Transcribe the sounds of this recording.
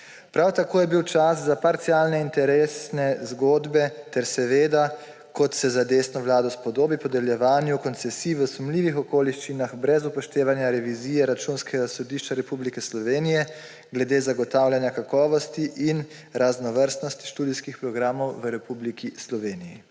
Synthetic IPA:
pɾawt̪akoːjɛbiwt͡ʃas̬zapaɾt̪sjaːlnɛint̪ɛɾeːsnɛzɡoːd̪bɛt̪ɛɾsɛʋeːd̪a | kɔt̪sɛzad̪eːsnɔʋlaːd̪ɔspɔd̪oːbipɔd̪ɛljɛʋaːnjukɔnt̪sɛsiːʋəsumliːʋixɔkoːliʃt͡ʃinaxbɾɛzupɔʃt̪eːʋanjaɾɛʋiziːjɛɾat͡ʃuːnskɛɡasɔd̪iːʃt͡ʃaɾɛpublikɛslɔʋeːnijɛ | ɡlɛd̪eːzaɡɔt̪awljanjakakɔːʋɔst̪iʔin | ɾaznɔʋəɾst̪nɔst̪i̥ʃt̪uːd̪ijskixpɾɔɡɾaːmɔwʋəɾɛpuːblikʰislɔʋeːnijḭ

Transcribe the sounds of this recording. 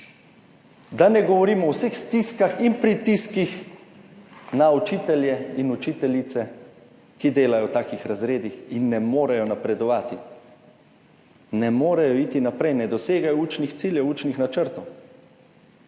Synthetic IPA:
d̪anɛɡɔʋɔɾiːmɔːwsexst̪iskaxinpɾit̪iskix | naut͡ʃiːt̪ɛljɛinut͡ʃiːt̪ɛlit̪sɛ | kid̪eːlajɔwt̪aːkixɾazɾeːd̪ixinːɛmoːɾɛjɔnapɾɛd̪ɔʋaːt̪i | nɛmoːɾɛjɔit̪inapɾɛjnɛd̪ɔseːɡajɔuːt͡ʃnixt̪siːljɛwuːt͡ʃnixnat͡ʃəɾt̪ɔw

